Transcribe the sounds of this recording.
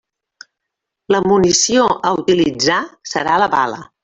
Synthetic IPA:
ləmunisioʔəut̪ilid͡zasəɾaləβa̰lə̰

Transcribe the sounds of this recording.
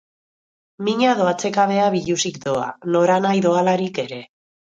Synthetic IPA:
miɲaðoat͡se̞kaβe̞aβiʎusikd̪o̞a̰no̞ɾanajðo̞alaɾike̞ɾe̞

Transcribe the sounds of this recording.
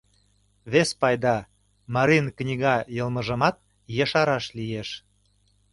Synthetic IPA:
βespɑjd̪ɑ | mɑɾinknʲiɣɑjəlˠmə̆ʒə̆mɑt̪̚ | jəʃɑɾɑʃlijeʃ

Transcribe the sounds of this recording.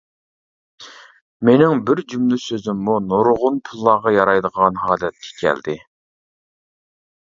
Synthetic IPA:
menɪŋbɪɾd͡ʒymlysøzɪmːunoɾʁʊnpʰulˠːɑːʁɑjɑɾɑjd̪əʁɑnɦɑːlɛt̪̚kʲʰɛ̥kʲʰɛ̰ld̪ɪ

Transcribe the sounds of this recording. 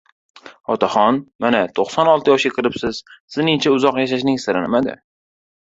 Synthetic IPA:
ɒt̪ʰaχɒnmanat̪ʰoχsɒnɒlˠt̪ʰɪjɒʃʲakɨɾɪpsɪz̥sɪznɪŋt͡ʃʰaʊzɒqjaʃaʃ̬nɪŋsɪɾanɪmad̪ɪ̰

